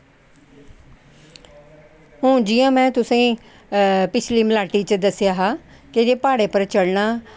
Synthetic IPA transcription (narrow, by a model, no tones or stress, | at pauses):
ɦʊ̃ːd͡ʒɪjãːmɛ̃ːt̪ʊsẽː | pɪt͡ʃʰliːmlaːʈiːt͡ʃəd̪əsjaːɦaː | ked͡ʒeːpaːɽeːpəɾt͡ʃəɽnaː